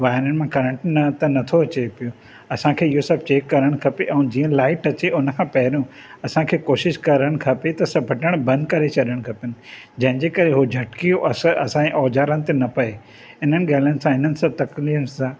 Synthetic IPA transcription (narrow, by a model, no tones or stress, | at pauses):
ʋaːɪɾənɪ̆mãkɐɾə̃ɳʈnɐt̪ɐnɐt̪ʰoɐt͡ɕepijo | ɐsãkʰeːɪosɐb̚t͡ɕeːkːɐɾəɽ̃kʰɐpeʔɛ̃ːd͡ʑiːə̃laːɪʈɐt͡ɕeʔʊn̆kʰãːpɐɦɪɾjũ | ɐsãkʰeːkoːʃɪʃkɐɾəɽ̃kʰɐpet̪ɐsɐbʱɐʈəɽ̃bɐ̃nd̪̚kɐɾet͡ɕʰɐɗəɽ̃kʰɐpiənɪ̆ | d͡ʑɐ̃ɦɪ̃ɲd͡ʑeːkɐɾeɦod͡ʑʱɐʈkijoʔɐsɐsãẽʔɔːd͡ʑaːɾəñɪ̆t̪enɐpɐe | ɦɪn̤ənɪ̆ɠaːɪlənɪ̆sãɦɪnənɪ̆sab̚t̪ɐkliːfsãː